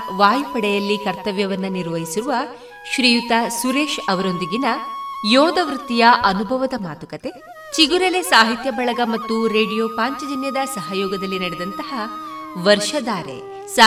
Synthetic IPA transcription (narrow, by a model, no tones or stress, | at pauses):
ʋaːjpɐɽɛjɐlːikɐɾt̪ɐʋjɐʋɐnːɐniɾʋɐɦisiɾuʋɐ | ʃɾiːjut̪ɐsuɾe̞ːʃɐʋɐɾo̞nd̪iɡinɐjɔːd̪ɐʋɾut̪ːijɐʔɐnubʱɐʋɐd̪ɐmaːt̪ukɐt̪e̞ | t͡ʃiɡuɾɐlesaːɦit̪jɐbɐɭɐɡɐmɐt̪ːuɾe̞ːɖijoːpaːɲt͡ʃɐd͡ʒinjɐd̪ɐsɐɦɐjɔːɡɐd̪ɐlːinɐɽɛd̪ɐnt̪ɐhɐʋɐɾʃɐd̪aːɾḛ | sa